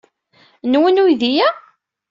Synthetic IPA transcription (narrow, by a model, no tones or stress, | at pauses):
nwənujðijæ